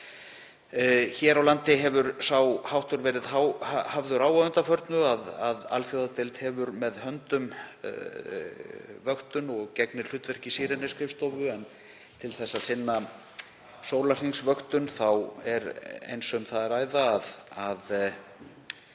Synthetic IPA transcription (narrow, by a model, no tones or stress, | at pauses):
çɛːɾawlant̪ɪɦɛvʏɾsawhawht̪ʏɾvɛːɾɪðhawhavðʏɾaːwaðʏnt̪afœɾt̪nʏaðaða̰lfjowðat̪ɪlt̪hɛːvʏɾmɛðhœnt̪ʏm | vœxt̪ʏnɔɣcɛknɪɾ̥l̥ʏːt̪vɛr̥cɪsiːɾɪnɪskɾɪfst̪ɔvʏɛn | t̪ʰɪlθɛsːaðsɪnːa | soːwlar̥iŋsvœxt̪ʏnθawɛɾḛjnsɔmθaðɛɾaːjðaːðað